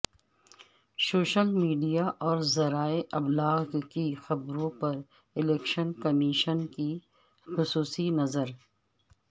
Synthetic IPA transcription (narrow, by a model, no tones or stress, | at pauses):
soːʃəlmiːɖijaʔɔːɾzɐɾaːeʔɐblaːɣkixɐbɾõpɐɾ | ɪlɛːkʃənkɐmiʃənki | xʊsuːsinɐzəɾ